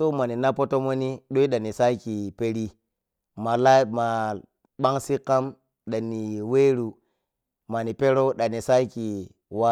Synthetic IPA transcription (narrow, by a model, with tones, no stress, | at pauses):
so˦ma˨ni˨na˦po˦to˦mo˦ni˦ɗo˦i˦ɗa˨ni˨sa˦ki˨pe˦ɾi˦ | ma˨la˦ma˨ | ɓa˦ŋsi˦kːa˦m | ɗa˨ni˨we˦ɾu˨ | ma˨ni˨pe˦ɾo˦ɗa˨ni˨sa˦ki˨ | wa˦